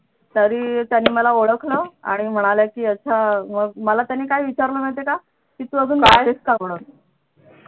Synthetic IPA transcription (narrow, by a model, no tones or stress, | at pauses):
t̪əɾiːt̪janːiːməlaoɽəkʰləa̰ɽ̃im̤əɽ̃aljakiːət͡ɕʰaməɡməlat̪janːiːkajʋit͡ɕaɾləːm̤eɭt̪eka | kit̪uːəd͡zuːnbad̪eskaməɽ̃ət̪